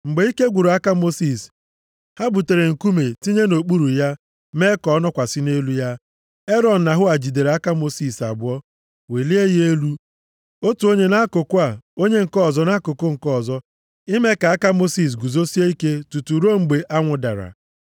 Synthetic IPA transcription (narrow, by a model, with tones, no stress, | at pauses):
ŋ͡m̩˨ɡ͡be˨˦i˦ke˦ɡʷu˨ɾo˨a˦ka˦mo˦si˨s | ha˦bu˨te˨ɾe˨ŋ̩˨ku˦me˨ti˦ɲe˦no˨k͡pu˦ɾu˨ja˦ | me˦kɔ˨˦nɔ˦kʷa˨sɪ˦ne˦lu˦ja˦ | e˦ɾɔ˦n̩˨na˨ɦʊ˦a˨d͡ʒi˨de˨ɾe˨a˦ka˦mo˦si˦˨sa˨bʊ˦ɔ˦ | we˨li˦e˦je˦lu˦ | o˦tu˨o˦ɲe˦na˦ko˨kʊ˦a˨o˦ɲe˦ŋ̩˨kɔ˦˨zɔ˦na˦ko˨ko˦ŋ̩˨kɔ˦˨zɔ˦ | i˦me˦ka˨a˦ka˦mo˦si˨s̬ɡu˨zo˦si˦e˦i˦ke˦tu˨tu˨ɾo˦ŋ͡m̩˨ɡ͡be˨ʔa˦ŋʷʊ˨da̰˨ɾa̰˨